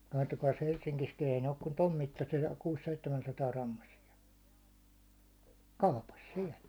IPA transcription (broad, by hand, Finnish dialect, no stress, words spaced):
kɑtːokɑis helʃsiŋkiskin ei ne ok kun tom mitːɑsiɑ kuːsːeitːemænsɑtɑːrɑmːɑsiɑ kɑupɑs siɛl